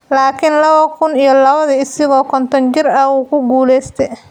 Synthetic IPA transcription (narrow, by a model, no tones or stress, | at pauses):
laːkʰɪnlɐβɐkʰʊnijɔlɐβɐðɐɪsɪɣɔːkʰɔnt̪ʰɔnt͡ʃɪrɐuːkʰʊɡuːlɛjst̪ʰɛj